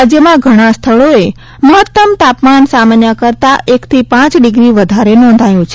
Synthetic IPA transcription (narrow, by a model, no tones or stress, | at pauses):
ad͡ʒjəmãɡʱəɽ̃ast̪ʰəɭoe | məɦət̪ːəmt̪apmansamanjəkəɾt̪aʔekt̪ʰipãt͡ʃɖɪɡɾiʋəd̪ʱaɾenɔ̃nd̪ʱajũt͡ʃʰe